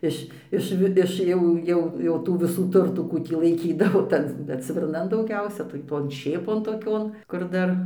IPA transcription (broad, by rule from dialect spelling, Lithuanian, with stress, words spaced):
ˈɪʃ ˈɪʃ ʋʲɪ ˈɪʃ jɛʊ ˈjɛʊ jɛʊ ˈtuː ʋʲɪˈsuː ˈtʊrtuː ˈkuː tʲiː lˠɐɪˈkʲiːdɐʋoː ˈtɐn ˈtɐn bʲɛt sʲʋʲɪrˈnɐn dɐʊˈɡʲɛʊsʲɛ tɐɪ ˈtoːn ˈʃʲeːpoːn toːˈkʲoːn kʊr ˈdɐr